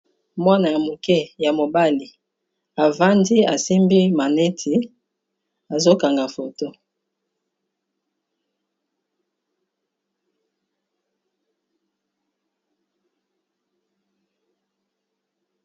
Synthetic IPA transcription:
mwa˦na˨ja˨mo˨kɛ˦ja˨mo˨ba˦li˨ | a˨va˦ndi˦a˨si˦mbi˦ma˨nɛ˦tʰi˨ | a˨zo˦ka˨ŋɡa˨fo˨to˦

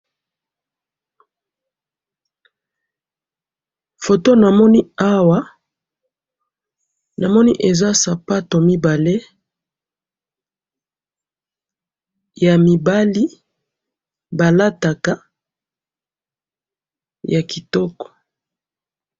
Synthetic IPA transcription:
fo˨to˦na˨mɔ˦ni˦a˦wa˦ | na˨mɔ˦ni˦ʔe˨za˦sa˨pa˦to˨mi˦ba˨le˦ | ja˨mi˨ba˦li˦ | ba˨la˦ta˨ka˦ | ja˨ki˨tɔ˦kɔ̥˨

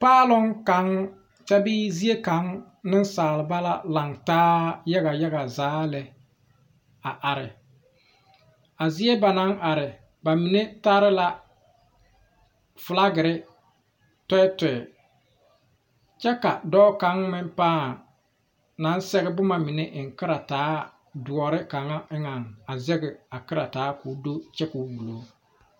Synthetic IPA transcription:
paː˦lʊ˦ŋka˨˦ŋ | t͡ʃɛ˦biː˦zi˦e˦ka˨ŋ | nɪ˦n˦saː˨lɪ˨ba˦la˦la˨ŋtaː˦ja˦ɣa˨ja˦ɡa˨zaː˨˦lɛ˨ | a˨ʔa˨ɾɪ˨ | a˨zi˦e˦ba˨na˨˦nʔa˨ɾɪ˨ | ba˨mi˨ne˦ta˦ɾɪ˦la˦ | fʊ˨la˦ɡɪ˨ɾɪ˦ | tɛ˦tɛ˨ɛ˨ | t͡ʃɛ˦ka˨dɔː˦ka˦ŋ˦mɪ˦mpaː˦˨ | na˨˦n˦sɛ˦ɣɪ˦bʊ˦ma˨mi˨ne˦ʔɪ˨ŋ˨kɪ˦ɾa˨taː˦ | dʊ˨ɔ˨ɾɪ˦ka˨ŋa˦ɪ˦ŋa˨ŋa˨zɛ˦ɡɪ˨a˨kɪ˦ɾa˨taː˨˦kuː˨˦do˦t͡ʃɛ˦ku˨˦bu˨lo˨˦

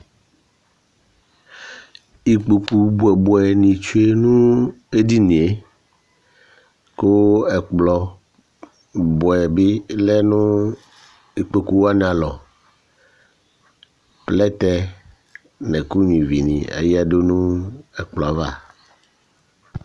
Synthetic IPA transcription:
i˨k͡po˨ku˨bo˨ɛ˨bɔ˨˦ɛ˨nĩ˨t͡ʃu˦e˦nũ˦e˦di˦nĩ˨e˦ | ko˦wo˦ɛ˨k͡plɔ˨ | bɔ˨ɛ˨bi˦lɛ˦nũ˦ | i˨k͡po˨ku˦wo˦a˦nɛ̃˨a˨lɔ˨ | plɛ˦t̪ɛ˦ | nɛ̃˨ku˦ɲ˨ĩ˨vi˨nḭ̃˨a̰˨ji˦a˨ɖo˦nũ˦ɛ˨k͡plɔ˨a˨va˦˨

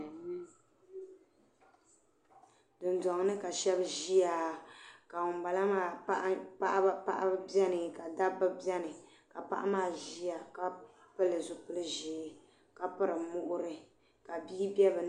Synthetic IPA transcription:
dɨ˨ndɔ˨ŋ˨˦nɨ˦ka˨ʃɛ˦bʒi˦ja˨ka˨ŋʊ˨mba˨la˦maː˦˨˦pa˦ʔa˦ba˦pa̰˦ʔa̰˦bɛ˦nɨ˨ka˨da˦bɨ˦bɛ˦nɨ˨ | ka˨pa̰˦ʔa̰˦maː˦˨ʒi˦ja˨ka˨˦ | pɨ˦lɨ˨zʊ˨pɨ˦lɨ˦ʒi˨ | ka˨pɨ˦ɾɨ˨mʊ˦ʔʊ˦ɾɨ˦ | ka˨biː˦bɛ˦bɨ˨n

